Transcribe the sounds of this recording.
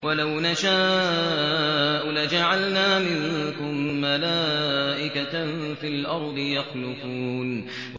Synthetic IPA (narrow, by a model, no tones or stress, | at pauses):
walawnaʃaː | ʔʊlad͡ʒaʕalnaːmɪŋkʊmːalaːʔɪkafilʔɑɾˤd̪ˤɨjɑxlʊfuːn